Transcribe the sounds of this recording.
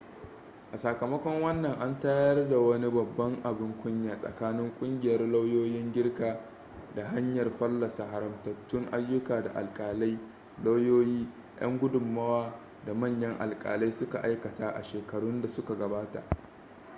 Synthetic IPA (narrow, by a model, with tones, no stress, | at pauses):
ʔa˨saː˨kɐ˨mɐ˦kʷɔ˦ŋwɐ˦nːɐ˨ŋʔa˦ntaː˦jɐ˦rda˨wɐ˦ni˦bɐ˨bːɐ˦ŋʔa˨bɪ˦ŋkʷʊ˦ɲjaː˨sʼɐ̰˨kaː˦nɪ˦ŋkʷʼʊ˦ŋɡʲɪ˨jɐ˦rla˦wjoː˦jɪ˦ŋɡʲɪ˦rkaː˨ | da˨ɦa˦ɲjɐ˨rɸɐ˦lːɐ˨sa˨ɦa˨ɾɐ˨mtɐ˨tːʊ˦ŋʔa˦jːʊ˦kaː˨da˨ʔa̰˨lkʼaː˨la˦j | la˦wjoː˦jiː˦ | jʔɐ̰˦ŋɡʷʊ˦dʊ˨mːɐ˦waː˦ | da˨mɐ˦˨ɲjɐ˦ŋʔa̰˨lkʼa̰ː˨la˦jsʊ˦ka˨ʔa˦jkɐ˨taː˦ʔa̰˨ʃeː˨kɐ˨ɽʊ˦nda˨sʊ˦ka˨ɡɐ˨baː˦ta̰˨ʔ